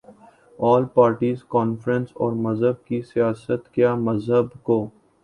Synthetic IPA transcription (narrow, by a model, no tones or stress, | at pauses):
ɔːlpaːɾʈiːzkɔːnfɾə̃nsɔːɾmɐzɦəb̚kisijaːsət̪kjaːmɐzɦəbkoː